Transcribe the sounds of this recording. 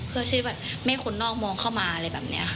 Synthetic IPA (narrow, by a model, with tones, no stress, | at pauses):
pʰɯ˥˩ɐsʰiː˧˥˩bɛː˨˩p̚ma˥˩jkʰo˧nːɔː˥˩k̚mɔː˧ŋkʰa˥˩wmaː˧ʔa˧ɾa˧jbɛː˨˩p̚nḭ˦˥ɐ̰˧˩